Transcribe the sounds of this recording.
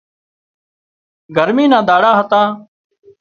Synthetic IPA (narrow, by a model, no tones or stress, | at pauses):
ɡʱəɾmiːnãːd̪aːɽaːɦət̪ãː